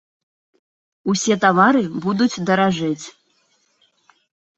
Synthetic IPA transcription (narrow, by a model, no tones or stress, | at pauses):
usʲɛt̪avaɾɨbud̪ut͡sʲd̪ɐɾaʐɨt͡sʲ